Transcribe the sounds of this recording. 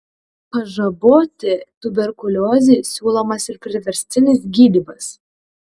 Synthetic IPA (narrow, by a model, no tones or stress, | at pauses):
pɐʒɐboːt̪ʲɪt̪ʊbʲɛɾkʊlʲoːzʲeːsʲuːlˠomɐsɪɾpʲɾʲɪʋʲɛɾʲsʲt̪ʲɪnʲɪsɡʲiːd̪ʲiːbɐs